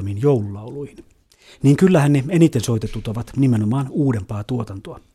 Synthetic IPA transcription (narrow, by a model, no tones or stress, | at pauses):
minjoululɑuluihin | niːŋkylːæhænneenit̪ensojt̪et̪ːut̪oʋɑt̪nimenomɑːnuːdempɑːt̪uot̪ɑnt̪oɑ